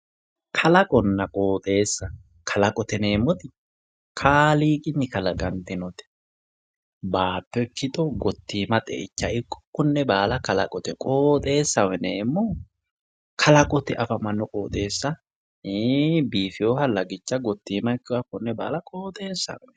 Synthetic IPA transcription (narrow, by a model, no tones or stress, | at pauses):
kʰɐlɐkʼɔnːɐkʼoːt̪ʼe̞ːsːɐ | kʰɐlɐkʼɔt̪ɛne̞ːmːɔt̪ɪ | kʰaːliːkʼɪnːɪkɐlɐɡɐnt̪ːɪnɔt̪ɛ̥ | baːpːɛkɪt̪ʼɔɡɔt̪ːiːmɐt̪ʼɛ̰ʔɪt͡ʃːɐɪkːɔ̥kːʊnːɛbaːlɐkɐlɐ̰kʼɔt̪ɛkʼoːt̪ʼe̞ːsːɐwɛneːmːɔ | kʰɐlɐkʼɔt̪ɛʔɐfɐmɐnːɔkʼoːt̪ʼe̞ːsːɐ | biːfɪjoːhɐlɐɡɪt͡ʃːɐɡɔt̪ːiːmɐɪkːɐkːʊnːɛba̰ːlɐkʼoːt̪ʼe̞ːsːɐ̰wɛn